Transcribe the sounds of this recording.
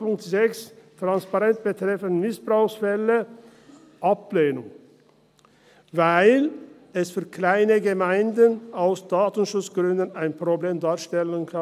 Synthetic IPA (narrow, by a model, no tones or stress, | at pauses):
pʊŋktzɛkstʁ̥anspaʁɛnt̚b̥ətʁ̥ɛfənmɪsb̥ʁaʊxsfɛlə | ʔapleːnʊŋ | vaɪl | ɛsfyːɐkʰlaɪnəɡəmaɪndənaʊsd̥aːtn̩ʃʊt͡sɡ̥ʁʏndənaɪnpʁ̥obleːmdaːɐʃtɛlənkʰa